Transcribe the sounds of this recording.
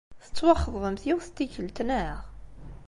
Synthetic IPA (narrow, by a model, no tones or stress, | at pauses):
θə̥t͡sːwɑχːəðˤðˤəmθjɪwθt̪ːiçəlt̪nəʁ